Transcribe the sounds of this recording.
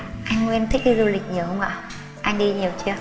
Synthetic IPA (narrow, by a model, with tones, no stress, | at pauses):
ʔa˧jŋ̟ŋwɛ˧nt̪ʰï˦˥k̚ɗi˧zu˧lï˨˩k̟̚ɲi˨˩hə˧ŋ͡mʔa̰ː˨˩ | ʔa˧jŋ̟ɗi˧ɲi˨˩əwt͡ɕi˧ə